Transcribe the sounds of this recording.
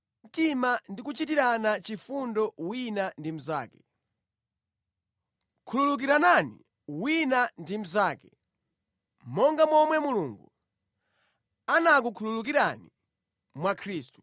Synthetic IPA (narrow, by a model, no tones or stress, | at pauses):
m̩timandikut͡ʃit̬iɾanat͡ʃifundɔwinandim̩za̰ːkɛ̥ | kʰululuk̬iɾananḭ | winandim̩zaːkɛ | mɔŋɡamɔmwɛmuluŋɡṵ | anak̬ukʰululuk̬iɾani | mwakʰɾiːstu̥